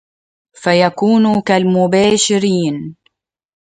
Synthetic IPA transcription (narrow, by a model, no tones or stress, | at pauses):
fajakuːnkalmʊbaːʃɪɾiːn